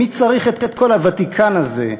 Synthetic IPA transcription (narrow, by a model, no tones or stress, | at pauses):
it͡saʁiχet̪tet̪̚ko̞lhavat̪ikʰanazḛ